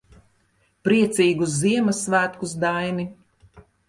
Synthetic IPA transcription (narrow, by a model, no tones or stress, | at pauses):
pɾiɛt̪siːɡusziɛmɐsːvæːt̪kus̬d̪ajni